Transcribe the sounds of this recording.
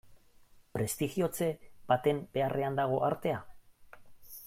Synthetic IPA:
pɾe̞st̪iɣio̞t͡se̞b̥at̪e̞mbe̞arʔe̞and̪aɣ̞o̞ʔaɾt̪e̞a

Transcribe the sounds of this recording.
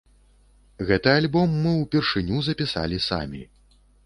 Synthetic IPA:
ɣɛt̪ɨalʲbɔmːɨwpʲɛrʂɨnʲuzɐpʲisa̰lʲisa̰mʲḭ

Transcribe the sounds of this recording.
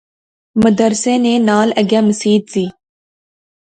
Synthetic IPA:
məd̪əɾsẽːneːnaːləɡjaːməsiːd̪ziː

